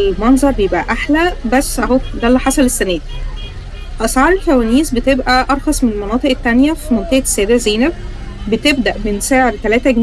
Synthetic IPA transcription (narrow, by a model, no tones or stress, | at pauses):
mɑnzˤɑɾˤbjebʔæ̰ʔaħlæbæsːʔæhod̪ælːiħasælesːænæːd̪i | ʔɑsʕɑːɾˤelkæwæːniːsbet̪ebʔæʔɑɾˤxɑsˤmenelmɑnɑːt̪ˤeʔet̪ːænjæfimont̪æhsːææːd̪æzeːnæb̚ | bet̪eb̚d̪æʔbensæːʕed̪t̪ælæːt̪æɡm